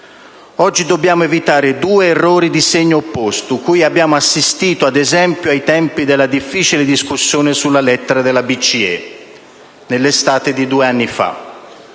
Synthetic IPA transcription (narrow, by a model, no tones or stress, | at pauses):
ɔd͡ʒːid̪obːjaːmʊevit̪aːɾɪd̪uːeːrːɔːɾid̪iseɲːoːpːɔst̪ʊkujabːjaːmʊasːist̪iːt̪oad̪ɛzɛmpjoajt̪ɛmpid̪elːad̪ifːiːt͡ʃilɪd̪iskusːjɔːnɪsulːalɛt̪ːeɾad̪ɪlabit͡ʃiɛ̰ | nelːest̪aːt̪ɪd̪id̪uːeanːifa̰